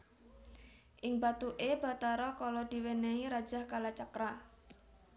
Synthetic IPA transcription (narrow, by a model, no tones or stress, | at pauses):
ʔɪŋbat̪uʔeb̥a̤t̪aɾɔkalɔd̪̥i̤weneiɾḁd͡ʒ̥a̤hkalat͡ʃakɾa